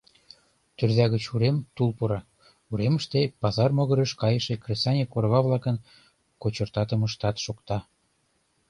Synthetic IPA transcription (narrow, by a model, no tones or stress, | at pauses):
t̪ørðæɣət͡ɕuɾemt̪ulˠpuɾɑ | uɾeməʃt̪epɑzɑrmoɣɤ̆ɾə̆ʃkɑjəʃekresɑnʲekorɣɑβlˠɑkə̆n | kot͡ɕɤ̆rt̪ɑt̪ə̆məʃt̪ɑt̪ʃokt̪ɑ